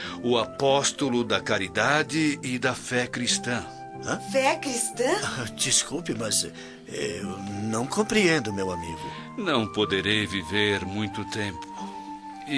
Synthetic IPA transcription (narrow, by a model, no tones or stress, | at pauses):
ʊapɔst̪ʊlʊd̪ɐkaɾid̪ad͡ʒɪɪd̪ɐfɛkɾist̪ɐ̃ | ɐ̃fɛkɾist̪ɐ̃d͡ʒiskuwpɪmɐz | ɛnɐ̃w̃kõmpɾiẽnd̪ʊmewamḭɡʊ | nɐ̃w̃pod̪eɾejviveɾmũj̃t̪ʊt̪ẽmpʊ̥